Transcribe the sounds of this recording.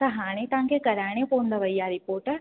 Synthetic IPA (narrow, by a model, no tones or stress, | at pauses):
t̪ɐɦaːñet̪ãːŋkekɐɾaːɽ̃ẽpoːnd̪ɐʋɐjːaɾɪpoːɾʈəɾ